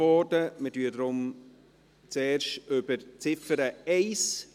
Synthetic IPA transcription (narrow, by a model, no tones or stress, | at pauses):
ɔːdəmətyːədɾʊm | t͡sɛːrʃtʏb̥əɾt͡sɪfəɾəɛɪs